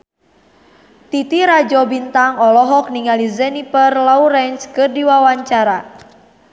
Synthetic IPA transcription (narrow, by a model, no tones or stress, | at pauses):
t̪it̪iɾad͡ʒɔbint̪aŋɔlɔɦɔk̚niŋalizɛnipərlɔuɾɛnskɨrdiwawaɲt͡ʃaɾa